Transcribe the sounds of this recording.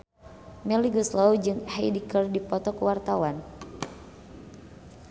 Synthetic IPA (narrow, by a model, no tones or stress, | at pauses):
mɛliɡuslawd͡ʒɨŋhajdikərdipɔt̪ɔkwart̪awan